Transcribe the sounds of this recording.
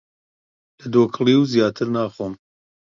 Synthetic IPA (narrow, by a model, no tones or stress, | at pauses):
lɐd̪oːkʰlˠiːwzijaːt̪ʰɨɾnaːχoːm